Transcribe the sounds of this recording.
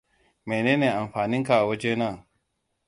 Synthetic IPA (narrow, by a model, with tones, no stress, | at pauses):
me˨neː˦neː˨ʔa˨mɸaː˨nɪ˦ŋka˨a˨wɐ˦d͡ʒeː˦na˦˨